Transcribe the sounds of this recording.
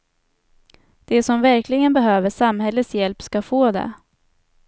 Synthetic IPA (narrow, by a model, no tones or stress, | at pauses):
d̪̥ɛsɔmvæɾklɪɡənbɛɦøːvəʂamhɛlːəsjɛlpskafoːd̪ɛ̰